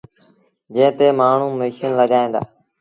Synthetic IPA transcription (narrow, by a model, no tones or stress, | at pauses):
d͡ʒẽːt̪eːmaːɳ̤ũːmiːʃənləɠaːẽːd̪a̰ː